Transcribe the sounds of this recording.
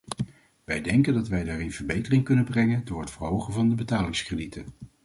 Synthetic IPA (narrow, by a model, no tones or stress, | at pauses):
ʋɛjdɛŋkəndɑtʋɛjdaːrɪnv̥əɹbejtərɪŋkɵnəbrɛŋəndʊːɹɦətfəɹɦowχənvɑndəbətaːlɪŋskrəditʰən